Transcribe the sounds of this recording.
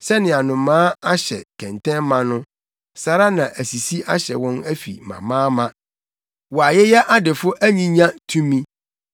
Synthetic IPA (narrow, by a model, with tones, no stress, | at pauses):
sɛ˦nɪ̃˨a˨nʊ̃˨mãː˦a˦ɕɛ̰˨kʰɛ̃˨ntʰɛ̃˦mã˦nʊ̃˦ | sa˨ɾa˦nã˨ʔæ˨si˨si˦ʔa˦ɕɛ̰˨wɔ̃˦næ˦fḭ˨mã̰˨mãː˦mã˦ | wɔ˨a˨jɛ˦jɛ˦ʔa˦dɪ˨fʊ˦ʔæ˦ɲĩ˦ɲã˦tʰũ˦mĩ˦